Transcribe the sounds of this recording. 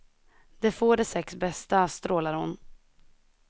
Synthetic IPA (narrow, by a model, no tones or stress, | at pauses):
d̪̥ɛfoːɖɛsɛksbɛst̪ast̪ɾoːlaɾhʊn